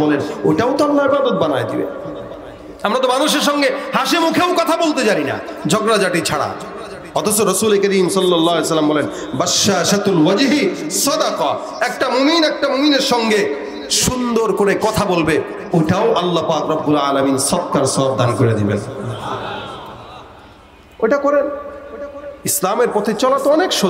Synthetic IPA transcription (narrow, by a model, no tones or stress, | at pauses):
bɔleno̰jʈaot̪oalːaebad̪ot̪̚banaed̪ḭbḛ | amɾat̪omanuʃ̬eɾʃ̬ɔŋɡehaʃemukʰeokɔt̪ʰabolt̪ed͡ʑaɾina̰d͡ʑʱɔɡɾad͡ʑaʈit͡ɕʰaɽa̰ | ɔt̪ʰosoɾɔsulekɐɾimsɔlːɔlːaːɦalesɐlːambɔlen | bɐʃːaʃat̪lwad͡ʑɦisɔd̪aka | ɛk̚ʈamominɛk̚ʈamomineɾʃɔŋɡe | ʃund̪oɾkoɾekɔt̪ʰabolbe | oʈaoʔalːapakɾɔbːulaːlaminsɔt̪̚kaɾsɔb̚d̪ankoɾed̪ibḛn | ejʈakɔɾen | islameɾpɔt̪ʰet͡ɕɔlat̪oɔnekʃo